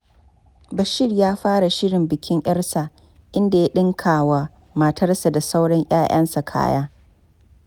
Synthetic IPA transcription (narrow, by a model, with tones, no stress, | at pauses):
bɐ˨ʃɪ˦rjaː˦ɸaː˦ɽa˨ʃɪ˦ɽɪ˨mbɪ˨kʲɪ˦ŋʔɐ˦rsa˨ | ʔɪ˦nda˨ja˦ɗɪ˦ŋkʰaː˨waː˨ | mɐ˨tʰɐ˦rsa˨da˨sa˦wɽɐ˦ɲʔʲaː˦j̰ʔɐ̰˦nsa˨kʰa̰ː˦ja̰ː˦